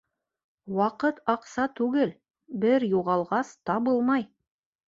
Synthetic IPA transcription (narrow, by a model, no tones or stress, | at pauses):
wɑqɤt̪ɑqsɑt̪ʉɡɘl | bɘɾjuʁɑlˠʁɑst̪ɑbɤlˠmɑj